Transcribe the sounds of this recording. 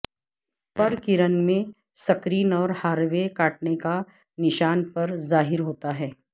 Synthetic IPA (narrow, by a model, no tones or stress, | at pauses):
pɐɾkɪɾənmẽ | sɐkɾiːnɔːɾhaːɾʋekaːʈ̚neka | nɪʃaːnpɐɾzaːɦɪɾɦoːt̪aɦɛː